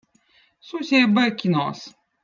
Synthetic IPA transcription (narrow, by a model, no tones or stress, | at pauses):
susʲebəkʲinɔs